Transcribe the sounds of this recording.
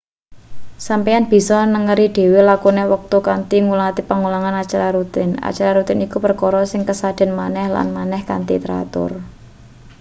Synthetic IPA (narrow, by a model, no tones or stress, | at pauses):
sampijanb̥i̤sɔnəŋəɾiɖ̥e̤welakunewək̚t̪ukant̪iŋulat̪ipaŋulaŋanat͡ʃaɾaɾut̪ɪna̰t͡ʃaɾaɾut̪ɪnikupərkɔɾɔsɪŋkəsad̥a̤nmanɛhla̰nmanɛhka̰nt̪ḭt̪ɾa̰t̪ʊ̰r